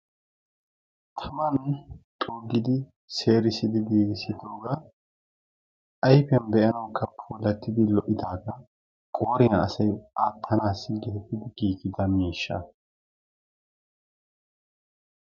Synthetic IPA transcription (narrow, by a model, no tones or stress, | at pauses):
t̪ʰɐmɐnt̪ʼoːɡːɪd̪ɪ | seːɾɪsɪd̪ɪɡiːɡɪsɪd̪o̞ːɡa | ʔɐjpɛnbɛʔɐnɐwkʰːɐpʰuːlɐt̪ːɪd̪ɪlɔʔɪd̪aːɡɐ | kʼoːɾɪnɐɐ̰sɐjʔaːtʰːɐnaːsɪɡɛhɛt̪ːɪd̪ɪɡiːɡɪd̪ɐmiːʃːɐ̰